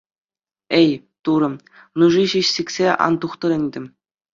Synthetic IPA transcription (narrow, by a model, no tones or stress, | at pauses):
ej | t̪uɾɤ̆m | nuʐiɕiɕsʲikʲsʲeʔɑ̰nt̪uχt̪ɤ̆ɾʲɘ̆nʲdʲɘ̆mʲ